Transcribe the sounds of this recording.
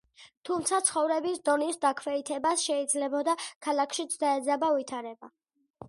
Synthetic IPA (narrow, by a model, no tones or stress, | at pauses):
t̪ʰumt̪sʰat̪sχɔvɾɛbisd̪ɔnisd̪akʰwɛit̪ʰɛbasʃɛid̪zlɛbɔd̪akʰalˠakʰʃit̪sʰd̪aɛd̪zabavit̪ʰaɾɛba